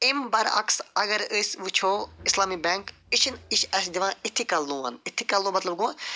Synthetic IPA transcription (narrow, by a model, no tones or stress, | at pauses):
imbɐɾɐ̰ksɐɣɐɾɨsʲʋɨt͡ʃʰoːislaːmibɛŋk | iʃʰiniʃɐs̬d̪iʋãːit̪ʰːikɐlnũːɐ̰nit̪ʰːikɐlnũːmɐt̪lɐb̚ɡuã